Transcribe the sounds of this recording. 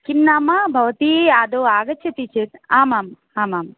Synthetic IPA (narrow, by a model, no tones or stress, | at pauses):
kimnaːmabʱɐʋɐt̪iːaːd̪oːaːɡɐtt͡ʃʰɐt̪it͡ʃʰit̪aːmaːm | aːmaːm